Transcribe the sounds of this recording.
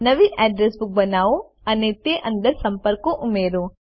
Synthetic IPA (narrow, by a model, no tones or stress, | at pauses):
nɐʋiʔɐɖɾesbuk̚bɐnaːu | ɐnet̪jeʔɐnd̪ɐɾsɐmpɐɾkuʔumeːɾu